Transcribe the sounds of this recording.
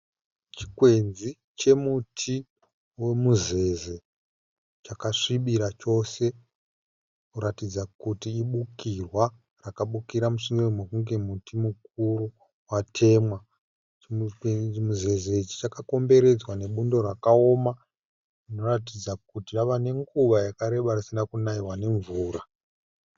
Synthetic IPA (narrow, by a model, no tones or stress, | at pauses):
t͡ʃi̥kwe̞nzi | t͡ʃe̞mutʰi | we̞muze̞ze̞ | t͡ʃakaʂiɓiɾat͡ʃo̞se̞ | kuɾatid͡zakutiːɓukirwa | rakaɓukiɾamuʂiŋɡiromwekuŋɡe̞mutimuk̚uɾu | watʰe̞mwa | muze̞zeit͡ʃi̥t͡ʃakako̞mbe̞ɾe̞d͡zwane̞ɓundo̞rakao̞ma | rino̞ratid͡zakutiʋaʋane̞ŋɡuʋajakaɾe̞ɓarisinakunaiwane̞ɱvuːɾa